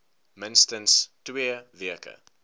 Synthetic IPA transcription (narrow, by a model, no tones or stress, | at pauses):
mɪ̃nstənstweːviəkə̰